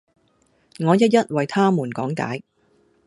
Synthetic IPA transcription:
ŋɔː˨˧jɐ˥t̚jɐ˥t̚wɐ˨jt̪ʰaː˥muː˨˩nkɔː˨˥ŋka̰ː˨˥j

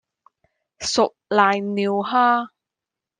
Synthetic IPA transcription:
sʊ˨k̚laː˨jniː˨˧whaː˥

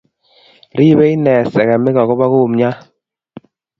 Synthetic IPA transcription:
ɾi˦βɛ˦i˦nɛ˨sɛ˨ɣa˨me˦ɣa˨ɣɔ˦βa˦ɣo˦˨mɲa˦

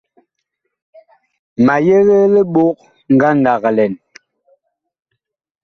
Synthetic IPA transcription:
ma˨je˦ɣe˦le˦ɓo˦k̚ | ŋ̩˨ɡa˦n˨da˨ɣlɛ˨n

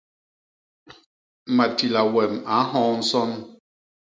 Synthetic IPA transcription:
ma˨ti˨la˨wɛ˨ma˨˦ɦɔ̃ː˦n̩˦sɔ˦n

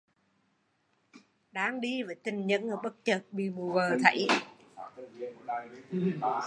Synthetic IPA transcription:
ɗaː˧ŋɗi˧vəː˨˩jt̪ï˨˩ŋ̟ɲə̰˧˥nʔəː˨˩ɓə˦˥k̚t͡ɕə˨˩t̚ɓḭ˧˨mu˨˩vəː˨˩t̪ʰə̰˧˦j

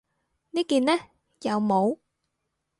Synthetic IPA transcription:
ni˨˦˥ki˨˩nɛ˨˦˥ | jaː˨˩wmo˨˦w

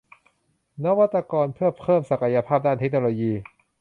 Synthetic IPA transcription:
na˦˥wa˦˥t̪ːa˧kɔː˧npʰɯ˥˩ɐpʰɤː˥˩msa˨˩ka˧ja˧pʰaː˥˩p̚daː˥˩nt̪ʰk̚no˧loː˧jiː˧

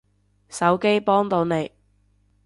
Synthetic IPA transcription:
sɐ˨˥wke˥jpɔː˥ŋt̪o˨˧wne˨˧j

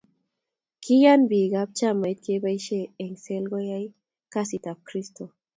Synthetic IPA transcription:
kʰi˦ja˦nbi˨ɡa˦b̚t͡ʃa˦ma˨jt̪̚ke˦ba˦jʃe˦˨ɛ˨ŋse˦lɡo˦ja˦j | ka˦si˨t̪a˨p̚kɾi˦st̪o˨

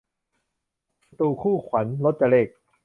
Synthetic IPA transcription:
t̪uː˧kʰuː˥˩kʰwa˩˦nlo˦˥t̪̚t͡ɕa˧leː˥˩k̚

